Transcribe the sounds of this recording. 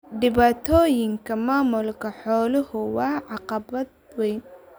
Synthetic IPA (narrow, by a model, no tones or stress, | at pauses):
ɖɪβaːt̪ʰɔːjɪŋkʰɐmaːmʊlkʰɐħɔːlɪhʊwɑːʕɑqɐbɐd̪̚ | wɛjn